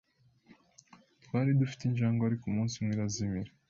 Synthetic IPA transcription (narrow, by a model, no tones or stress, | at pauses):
twaːɾidufi̥tinʒaːŋɡoaɾikumuːnsimwiɾazimiɾe